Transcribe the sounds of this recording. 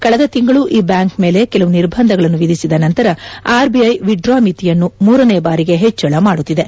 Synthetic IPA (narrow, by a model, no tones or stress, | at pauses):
kɐɭɐd̪ɐt̪iŋɡɐɭuʔiːbjaːŋkme̞ːle̞kɛlɐʋuniɾbʱɐnd̪ʱɐɡɐɭɐnːuʋid̪ʱisid̪ɐnɐnt̪ɐɾɐaːɾbiɐjʋiɖɾaːmit̪ijɐnːumuːɾɐneːbaːɾiɡe̞ɦet͡ʃːɐɭɐmaːɽut̪ːid̪e̞